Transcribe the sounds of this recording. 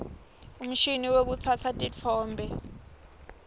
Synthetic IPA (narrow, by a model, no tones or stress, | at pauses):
um̩ʃiniwek̬ut͡sʰat͡sʰatʼit͡fʰɔːmbʱɛ